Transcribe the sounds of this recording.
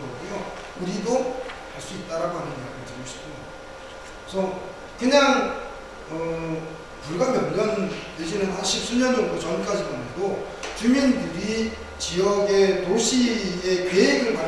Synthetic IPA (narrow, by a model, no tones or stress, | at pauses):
ɡʌɡujo | uɾidohaɭs͈uit̚t͈aɾaɡoɦanɯniaɡɯt͡ɕiɡɯɕʰi̥ptʰɯn | sʰʌ | kɯɲaŋ | ʌ | puɭɡamjʌnɲʌn | ed͡ʑinɯntaɕʰis͈ʰuɲʌnd͡ʑʌŋɡudot͡ɕʌnk͈ad͡ʑimaneɡo | t͡ɕumindɯɾi | t͡ɕijʌɡe̞toɕʰiekeɦiɡɯɭpa